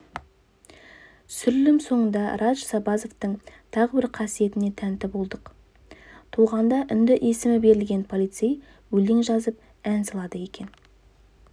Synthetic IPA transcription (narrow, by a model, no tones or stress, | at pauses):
sʏɾlɪmso̞ɴənd̪ɑɾʔɑʃsɑbɑzo̞ft̪əɴt̪ʰɑʁəbɪɾqʰɑsije̞t̪ɪne̞t̪ʰænt̪ɪbo̞lˠd̪əq | t̪ʰuʁɑnd̪ɑʔʏnd̪ɪʔesɪmɪbe̞ɾɪlɡʲe̞npʰo̞lˠijt̪sej | wɵleŋʒɑzəp | ænsɑlˠɑd̪əje̞kʲe̞n